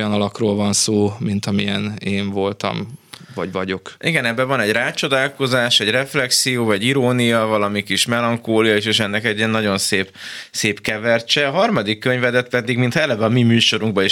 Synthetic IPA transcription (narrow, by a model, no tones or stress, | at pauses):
ojɒnɒlɒkroːlvɒnsoːmint̪ɒmiɛneːɱvo̞lt̪ɒ̰mvɒ̰ɟvɒɟo̞kʔiɡɛnɛbːɛvɒnɛɟraːt͡ʃo̞d̪aːlko̞zaːʃɛɟrɛflɛksijoːvɒɟiɾoːnijɒvɒlɒmikiʃmɛlɒŋkoːlijɒiʃeːʃɛnːɛkɛɟːiɛnːɒɟo̞nseːpseːpkɛvɛrt͡ʃɛɦɒrmɒd̪ikːøɲvɛd̪ɛt̪pɛd̪iɡmint̪ʰɛlːɛbɛɒmimyːʃo̞ɾuŋɡbɒeʃ